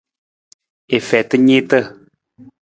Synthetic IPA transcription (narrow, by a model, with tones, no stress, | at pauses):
e˨fɛ˨t̪ə˦ɲe˦t̪ə˦˨